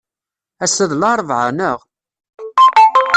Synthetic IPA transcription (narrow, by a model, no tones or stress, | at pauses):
æsəðlɑɾˤvʕa̰nəʁ